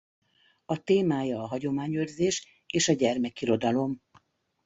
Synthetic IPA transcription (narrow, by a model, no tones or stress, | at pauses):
ɒt̪eːmaːjɒːɦɒɟo̞maːɲørzeːʃ | eːʃɒɟɛrmɛkiɾo̞d̪ɒlo̞m